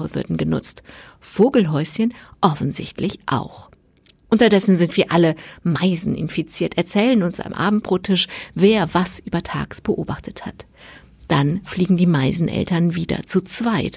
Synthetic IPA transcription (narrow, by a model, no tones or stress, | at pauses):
əvʏɐdn̩ɡənʊ̰t͡st | foːɡl̩ɦɔʏsçənʔɔfn̩zɪ̰çtlɪçʔa̰ʊx | ʔʊntɐdɛsn̩zɪntv̥iːɐʔaləmaɪzn̩ɪ̰nfit͡siːɐtɛɐt͡sɛːlənʊnsa̰mʔa̰ːbm̩t̚b̥ʁoːtʰɪʃveːɐvasʔyːbɐtʰa̰ːɡsb̥əʔoːbaχtʰəthat | d̥anfliːɡŋ̩diːmaɪzn̩ʔɛ̰ltɐnviːdɐ̰t͡sut͡sv̥aɪt